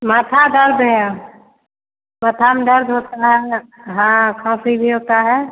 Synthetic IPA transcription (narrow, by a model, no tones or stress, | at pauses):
mət̪ʰaɖəɾd̪ɦɛ | mət̪ʰamedəɾd̪ɦoːt̪aɦɛɦãkʰãːsibʱiɦoːt̪aɦɛː